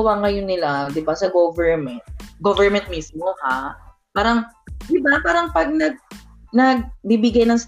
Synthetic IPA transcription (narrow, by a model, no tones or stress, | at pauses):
waŋɐjonɪlad̪ɪbasɐɡovɛɹmɛnt̪̚ɡovɛɹmɛnt̪̚mismoha | paːɾɐŋ | d̪̥ɪbapaːɾɐŋpɐɡ̚nɐɡ̚ | nɐɡ̚bibɪɡajnɐŋs